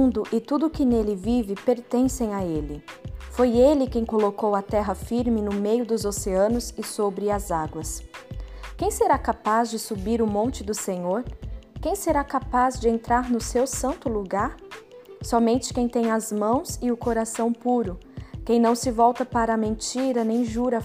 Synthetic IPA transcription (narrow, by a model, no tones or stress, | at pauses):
d̪ʊʔɪt̪ud̪ʊkɪnelɪvivɪpeɾt̪ẽsẽj̃aelɪfojelɪkẽj̃kolokowɐt̪ɛɦɐfiɾmɪnʊmejʊd̪ʊzoseɐ̃nʊzɪsobɾɪɐzaɡwɐs | kẽj̃seɾakapazd͡ʒɪsubiɾʊmõnt͡ʃɪd̪ʊsẽɲoɾkẽj̃seɾakapazd͡ʒɪẽnt̪ɾaɾnʊsewsɐ̃nt̪ʊluɡaɾ | sɔmẽnt͡ʃɪ̥kẽj̃t̪ẽj̃ɐzmɐ̃w̃zɪʊkoɾasɐ̃w̃puɾʊkẽj̃nɐ̃w̃sɪvɔwt̪ɐpaɾɐːmẽnt͡ʃiɾɐnẽj̃ʒuɾɐ